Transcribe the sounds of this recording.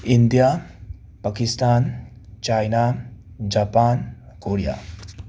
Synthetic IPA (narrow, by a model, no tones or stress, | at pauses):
ind̪ija | pakist̪aːn | t͡ʃajna | d͡ʒaːpaːn | koːɾija̰ː